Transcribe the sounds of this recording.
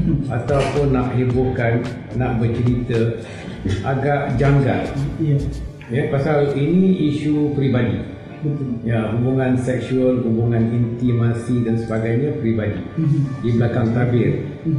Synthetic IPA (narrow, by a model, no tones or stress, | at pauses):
ʔat̪awpʊnːaʔɦebukanː | aʔbət͡ʃəɾit̪ə | ʔaɡaʔd͡ʒaŋɡa̰l | japasalinĩiʃupɾibadi | jaɦubuŋãnsɛk̚ʃuəlɦubuŋãnint̪imasidansəbaɡajɲãpɾibadḭdibəlakaŋt̪abɪr